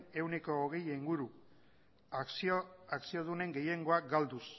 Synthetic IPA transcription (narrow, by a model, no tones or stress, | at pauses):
ne̞wneko̞ːɣ̞e̞jiŋɡuɾu | aksioðune̞ŋɡe̞je̞ŋɡo̞akɡald̪us